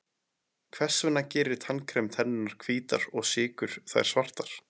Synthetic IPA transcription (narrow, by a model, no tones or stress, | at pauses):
kʰvɛr̥svʏnːacɛːɾɪɾ̥t̪ʰankʰɾɛmt̪ʰɛnːɪnːaɾ̥kʰviːt̪aɾɔɣsɪːkʏɾ̥θa̰jɾ̥svar̥t̪aɾ̥